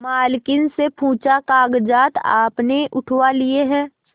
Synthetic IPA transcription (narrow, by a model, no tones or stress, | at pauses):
maːlkɪnsepʰũːt͡ʃakaːɡd͡ʒaːt̪a̰ːpneʔʊʈʰwalieɦɛ̃ː